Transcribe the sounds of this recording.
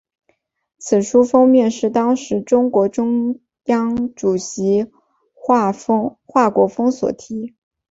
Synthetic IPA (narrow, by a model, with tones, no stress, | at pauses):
t͡sʰɹ̩˨˩ʂu˥fɤ˥ŋmjɛ˥˧nʂɻ̩˥˩t̪ɑ˥ŋʂɻ̩˧˥ʈ͡ʂʊ˥ŋkwɔ˧˥ʈ͡ʂʊ˥ŋ | jɑ˥ŋʈ͡ʂu˨˩ɕi˧˥˩ | xwa˥˩kwɔ˧˥fɤ˥ŋswɔ̰˨˩t̪ʰi˧˥